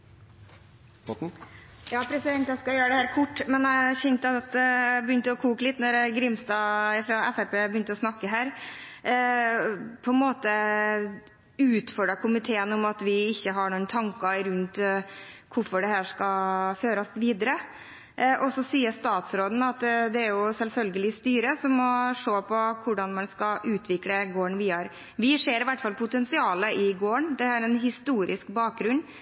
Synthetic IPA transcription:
jɑːpʰɾɛsɪd̪ɛnt̪jæskɑjøːɾəd̪ɛhæːɾkʰʊʈːmɛnæɪçɛnt̪ɑt̪bəʏnt̪əɔkʰuːkəlɪt̪nɔɾɡɾɪmst̪ɑːɪfɾɑɛfæɾpeːbəjʏnt̪əɔsnɑkːəɦæːɾ | pʰɔɛnmoːt̪ə | ʉːt̪fɔɖɾɑkʰʊmɪt̪ʰeːənɔmɑt̪ʋɪɪçːəɦɑɳuːnt̪ʰɑŋkɑɾʉnt̪ | kʰʊɾfɔɖɛhæːʂkɑføːɾəsʋiːd̪əɾə | ʔɔsɔsiːəst̪ɑːt̪sɾoːd̪n̩ɑt̪d̪ɛæɾjʊsɛlfœlɡəlɪst̪yːɾəsɔmːɔʂoːpʰɔkʰʊɖɑnmɑnskɑʔʉːt̪ʰʋɪkləɡoːɳʋɪhɑɾ | ʋɪseːɾɪʋæʈːfɑlpʰʊt̪ɛnsɪɑːləɪɡoːəɳd̪ɛhæːɾɛnɦɪst̪uːɾʔɪskbɑːk̚ɡɾʉnː

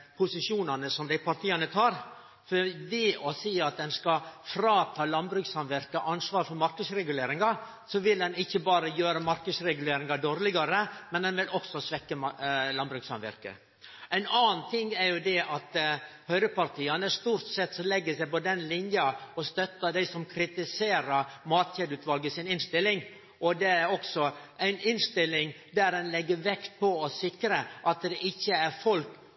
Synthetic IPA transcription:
pʰʊsɪʂuːnɑnəsɔmd̪æɪpʰɑɾʈ̪ʰiːɑnət̪ʰɑːɾ | fɔɾd̪iʔɔsiːɑt̪̚d̪ɛnskɑfɾɑːt̪ʰɑːlɑnbɾʉksɑmʋæɾkəʔɑnsʋɑːɾfɔɾmɑɾkəsɾɛɡʉleːɾɪŋɑ | sɔʋɪld̪ɛnɪçːəbɑːɾəjøːɾəmɑɾkəsɾɛɡʉleːɾɪŋɑd̪oːɾlɪɡɑɾəmɛnd̪ɛnʋɪlɔksɔsʋɛkːəmlɑnbɾʉksɑmʋæ̰ɾkə̰ | æɪnɑːnnt̪ʰɪŋːæɾjʊd̪ɛʔɑt̪hœʏɾəpɑɾt̪ʰiːɑnəʂt̪uːɾt̪sɛt̪sɔlɛɡːəsæɪpɔd̪ɛnlɪnjɑɔst̪œt̪ːəd̪æɪsɔmkʰɾɪt̪ɪseːɾəɾmɑːt̪çeːd̪ʉːt̪ʋɑlɡəsɪnɪnst̪ɪlːɪŋ | ʔɔd̪ɛæɾɔksɔʔæɪnɪnst̪ɪlːɪŋ | d̪æɾdɛnlɛɡːəɾʋɛkt̪̚pʰɔɔsɪkɾəʔɑt̪̚d̪ɛʔɪçːəæɾfɔlk

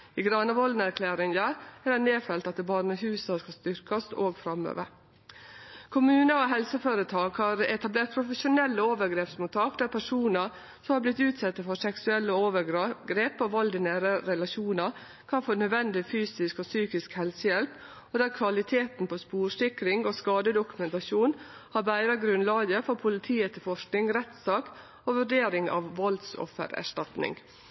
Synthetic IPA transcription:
iɡɾɑnəʋɔld̪n̩æɾkʰlæːɾɪŋəɾæɖɛneːfɛlt̪ɑt̪̚d̪ɛbɑːɾnəhʉːsɑskɑst̪ʏɾkɑsoːɡfɾɑmø̰ːʋə̰ɾ | kʰʊmʉːnəoːɦɛlsəføːɾət̪ʰɑːɡhɑːɾɛt̪ɑbleːɾt̪̚pʰɾʊfəʃʊnɛlːəoːʋəɾɡɾeːpsmʊt̪ʰɑːkd̪æɾpʰæʂuːnəɾ | sɔmhɑːblɪt̪ːʉːt̪sɛt̪ːəfɔɾʂɛksʉɛlːəoːʋəɡɡɾeːpɔʋɑld̪ɪnæːɾəɾɛlɑʃuːnɑ | kʰɑnfoːnœd̪ʋɛnd̪ɪfyːsɪskɔsyːkɪskhɛlsəjɛlp | ɔd̪æɾkʰʋɑlɪt̪ʰeːt̪n̩pʰospuːɾʂɪkɾɪŋoskɑːd̪əd̪ʊkʉmɛnt̪ɑʃuːnhɑɾbæɪɾɑɡɾʉnlɑːɡəfɔɾpʰʊlɪt̪ʰiːət̪ʰɪlfɔʂknɪŋɾɛt̪sɑːk | oʋʉɖeːɾɪŋɑ̰ʋʋɔld̪sɔ̰fːə̰ɾæ̰ʂʈɑt̪nɪ̰ŋ

